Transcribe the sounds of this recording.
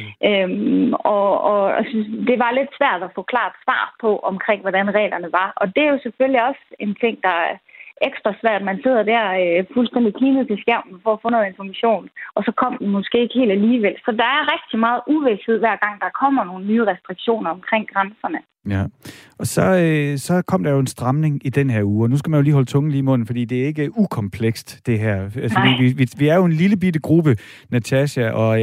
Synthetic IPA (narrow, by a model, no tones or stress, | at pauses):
ʔømɒ̽ɒsd̥e̝ʋɑ̈le̝d̥sʋæɐ̰d̥æfɔ̰̽ːkʰlɑ̰̈ːd̥sʋɑ̰̈ːpʰɒ̽ʔɒ̽mkʰʁeŋ̰ʋɒɾænʁɛ̰ːlɐnəʋɑ̈ɒ̽d̥e̝æɐjo̝seføliɒ̽se̝nt͡sʰe̝ŋ̰d̥ɑ̈eɡ̥sd̥ʁɐsʋæɐ̰d̥mænse̝ð̰ˠɐd̥æɐ̰øfulsd̥en̰d̥ikʰliːnð̩ˠt͡sʰe̝lsɡ̥æʊ̰mn̩fɒ̽ːfɔ̽nɔːð̩ˠenfɒmæɕo̝̰ːnʔɒ̽sɒ̽kʰɒ̽m̰d̥emɔ̽sɡ̥e̝̰ːeɡ̥he̝̰ːld̥æliːʋel̰sɒ̽d̥ɑ̈æɐʁɛɡ̥̚d̥imɑ̈ːð̞̩ˠʔuʋeshe̝ð̞̰ˠʋæɐ̰ɡ̥ɑ̈ŋ̰d̥ɑkʰɒ̽m̰ɐno̝ːnənyːʁɛsd̥ʁiɡ̥ɕo̝̰ːnɐɒ̽mkʰʁeŋ̰ɡ̥ʁansɐnə | æɒ̽sɒ̽øsɒ̽kʰɒ̽m̰d̥ɑ̈jo̝e̝nsd̥ʁɑ̈mne̝ŋid̥enɦæɐ̰uːɒnusɡ̥æmænjo̝liːɦɒ̽lət͡sʰɔ̽ŋn̩liːimɔ̽n̰n̩fɒ̽d̥ḭːd̥e̝æɐe̝ɡ̥əukʰɒ̽mpʰleɡ̥sd̥ːe̝ɦæɐ̰ælsʋiiʋiʋiæɐjo̝e̝nliləb̥idəɡ̥ʁub̥ə | næt͡sʰæɕæʔɒ̽